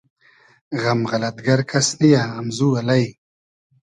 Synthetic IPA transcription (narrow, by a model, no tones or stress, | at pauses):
ɣamʁalɐt̪ɡaɾkʰɐsnijaːmzuːalaj